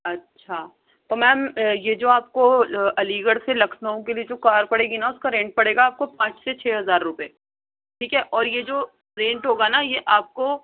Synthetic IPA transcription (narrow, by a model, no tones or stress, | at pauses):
ɐtːʃʰa | t̪omɛ̃ːmjed͡ʒoːaːp̚koɐliːɡəɽselɐkʰnaõkelied͡ʒoːkaːɾpɐɽeːɡinaʊskaɾẽːɳʈ̚pɐɽeːɡaːp̚kopãːt͡ʃset͡ʃʰɛːɦɐzaːɾːʊpeː | ʈʰiːkɦɛʔɔːɾjed͡ʒoː | ɾẽːɳʈɦoːɡanajeʔaːp̚ko